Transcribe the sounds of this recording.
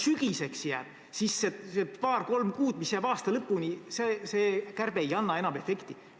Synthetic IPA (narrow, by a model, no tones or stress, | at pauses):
syɡ̥ise̞ksjæːb̥ | sisːesepɑːrko̞lmkuːd̪̥misjæːb̥ɑːst̪ɑlɤpːˑuniseseːkærb̥ejɑnːɑe̞nɑme̞fe̞kt̪i